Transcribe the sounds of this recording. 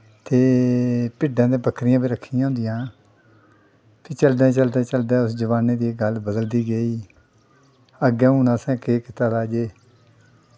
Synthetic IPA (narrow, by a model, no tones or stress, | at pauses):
t̪eːpɪɖãːd̪ẽːbəkʰːɾɪjãːbiːɾəkʰːijãːʊ̃ːnd̪ɪjãː | pʰɪːt͡ʃəld̪ãːt͡ʃəld̪ãːt͡ʃəld̪aːʊsd͡ʒəʋaːneːd̪iːɡəlbəd̪əld̪iːɡəiː | əɡɛ̃ːũːnãːsɛ̃ːkeːkɪt̪aːd̪aːd͡ʒeː